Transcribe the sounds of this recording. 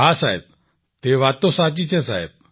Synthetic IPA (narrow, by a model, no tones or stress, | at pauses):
ɦasajb̚ | t̪eʋat̪osat͡ɕit͡ɕesa̰ḛb̚